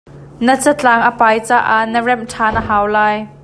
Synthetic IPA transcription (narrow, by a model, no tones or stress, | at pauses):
nət͡sɐt͡ɬaːŋʔəpaːjt͡saːʔaʔnərɛm̚tʰaːnʔəɦaːwlaːj